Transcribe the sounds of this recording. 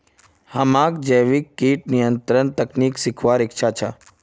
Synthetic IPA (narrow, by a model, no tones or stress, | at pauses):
həmãkd͡ʒəjʋikːiːʈ̚nijənt̪ɾənt̪əkniːksɪkʰʋaɾɪkt͡ʃʰat͡ʃʰa